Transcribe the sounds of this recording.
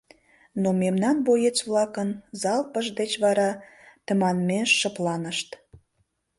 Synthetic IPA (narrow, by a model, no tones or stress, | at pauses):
nomemnɑnbojet͡sβlɑkənzɑlpəʒd̪et͡ɕβɑɾɑt̪əmɑnmeʃːəplɑnəʃt̪